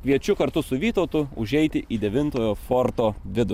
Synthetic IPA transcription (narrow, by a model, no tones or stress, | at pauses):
kʋʲiɛt͡ʃʲʊkɐɾt̪ʊsʊʋʲiːt̪oʊt̪ʊʊʒʲɛɪt̪ʲɪʔiːd̪ʲɛʋʲɪnt̪oːjoːfoɾt̪oːʋʲɪd̪ʊ